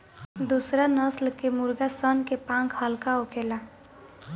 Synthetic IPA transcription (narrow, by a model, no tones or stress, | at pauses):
d̪usɾanʌslkemuɾɡasʌnkepãŋkʰhəlkaokʰela